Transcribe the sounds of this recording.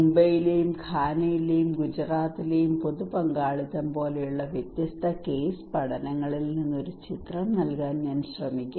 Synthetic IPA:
mbɐjilejumkʰaːnɐjilejumɡud͡ʑraːt̪ːile̞jumpo̞ðupɐŋɡaːɭit̪ːɐmpo̞ːlejuɭːɐʋjet̪jɐst̪ʰɐke̞ːspɐɽɐnɐŋːɐɭilninːo̞ɾut͡ɕit̪rɐmnɐlkaːnɲaːnɕrɐmikʲːu

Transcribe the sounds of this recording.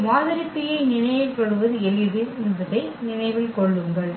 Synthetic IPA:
maːðɐɾɪpːɪjɐɪnɪnɐɪjɪlpɐɽɯʋɐðɯɛlɪðɯnɯðɯʈːɐɪnɪnɐɪʋɪlkɔɭːɯŋɡɐɭ

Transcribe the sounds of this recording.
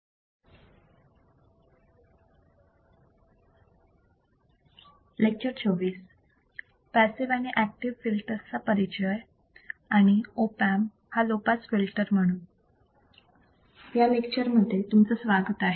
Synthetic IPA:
lek̚t͡ɕəɾt͡sʰoʋiːs | pæsiʋaniʔæk̚ʈiʋfilʈəɾt͡sapəɾit͡ɕəj | aɽ̃iopæm | halopat͡sfilʈəɾm̤əɽ̃uːn | jamekt͡ɕəɾm̤əd̪ʱːet̪umt͡səːsʋaɡət̪aɦe

